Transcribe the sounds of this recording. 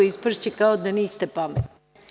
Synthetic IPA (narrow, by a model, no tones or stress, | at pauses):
oispr̩ʃt͡ɕekaod̪aniːst̪epamet̪ni